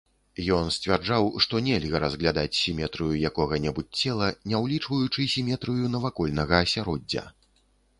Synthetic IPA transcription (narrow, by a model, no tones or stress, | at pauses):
jɔnsʲt͡sʲvʲard͡ʐawʂt̪ɔnʲɛlʲɣɐɾɐzɣlʲad̪at͡sʲsʲimʲɛt̪ɾɨjujakɔɣɐnʲɛbut͡sʲt͡sʲɛlˠɐnʲɛwlʲit͡ʂvɐjut͡ʂɨsʲimʲɛt̪ɾɨjunɐvakɔlʲnɐɣɐːsʲaɾɔd͡zʲːɐ̰